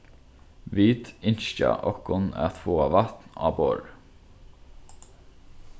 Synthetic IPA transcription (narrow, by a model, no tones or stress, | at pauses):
ʋiːt̪ɪnʃcɑ̰ʔɔkʊnæ̰ːθfoːɑʋɑt̪nɑ̰ːbo̰ːɹ